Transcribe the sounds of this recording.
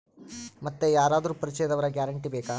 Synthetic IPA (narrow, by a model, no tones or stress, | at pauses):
mɐt̪ːejaːɾaːd̪ɐɾuːpɐɾit͡ʃɐjɐd̪ɐʋɐɾɐɡjaːɾɐɳʈibɛːka